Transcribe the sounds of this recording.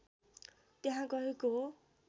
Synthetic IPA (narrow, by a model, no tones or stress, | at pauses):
t̪eɦãɡʌɦeko